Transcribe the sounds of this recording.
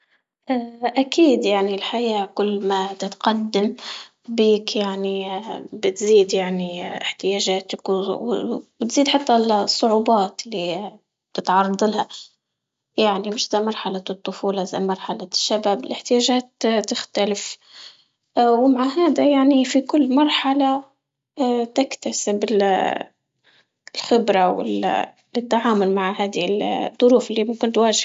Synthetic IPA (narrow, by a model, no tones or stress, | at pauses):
ʔaːʔakiːd̪jaʕnilħajaːkʊlːmat̪ɪt̪qad̪ːam | biːkjaʕnibɪt̪ziːd̪jaʕniɪħt̪ɪjaːʒaːt̪akwwbɪt̪ziːd̪ħɑt̪ːalsˤːʊʕuːbɑːt̪lːi | t̪ɪt̪ʕɑrˤɑd̪ˤɑlha | jaʕnimɪʃzamɑɾˤħalat̪ˤːʊfuːlɑʔza̰jmɑɾˤħalaʃːabaːbɪlʔɪħt̪ɪjaːʒaːt̪t̪ːɪxt̪alɪf | wmaʕaɦaːd̪ajaʕnifikʊlːmɑɾˤħala | t̪ɪkt̪asɪbɪ | lxɪbɾawɪ̰l | ɪt̪ːaʕaːmʊlmaʕhaːd̪ild̪ˤːʊɾuːfɪlːimʊmkɪnt̪waːʒ